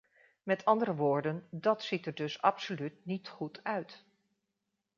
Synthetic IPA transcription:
mɛtɑndəɾəʋoːɹdəndɑtsitəɹdɵsɑ̰psolytnitχutʰœɥt

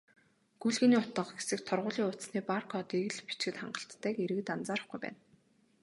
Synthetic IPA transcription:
ɡ̥uɮɣɘ̆niːʊt̪ə̆χqɡesɘ̆k̚t̪ʰɔrʁʊːɮiːŋʊt̪sniːparkʰɔt̪eɣɘ̆ɮpi̥t͡ɕɡɘ̆t̪χa̰ɴɢə̆ɬt̪ːæːkeɾɘ̆ɣɘ̆t̪ant͡saːɾə̆χɡujpæ̰ːn

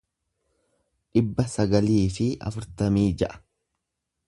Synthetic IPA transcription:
ᶑɪbːɐsɐɡɐliːfɪɐ̰fʊɾt̪ɐmiːd͡ʒɐʔɐ̥

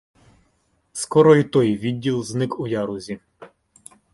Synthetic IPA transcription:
skɔɾɔit̪ɔjʋʲid̚ʲːilˠznɪkujɑɾuzʲi

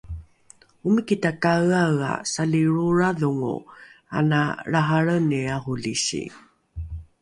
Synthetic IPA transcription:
umikitakaɣaɣa̰saliɭuɾaðuŋṵa̰naɭaɦaɭəniahuliɕḭ

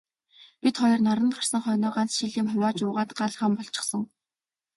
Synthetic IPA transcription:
pit̪χɔjɞ̆rnaɾə̆nχar̥sə̆ŋχœjnʊːɢant͡sʃiɮiːmχʊwʲaːt͡ɕʊːʁaːt̪ɢaɮχə̆mpɔɮt͡ɕɪ̥̆χsə̆ŋ

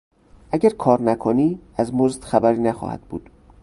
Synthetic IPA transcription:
ʔæɟæɾkʰɒːɾnækʰoniːæzmozd̪̥xæbæɾiːnæxɒ̰ːhæ̰d̪̥̚bṵːd̪̥

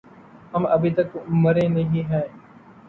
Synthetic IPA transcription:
ɦəməbʱiːt̪əkməɾẽːnəɦĩːɦɛ̃ː

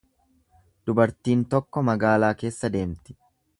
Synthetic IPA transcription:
d̪̥ʊbɐɾt̪iːnt̪ɔkːɔmɐɡaːlaːke̞ːsːɐd̪e̞ːmt̪ɪ̥

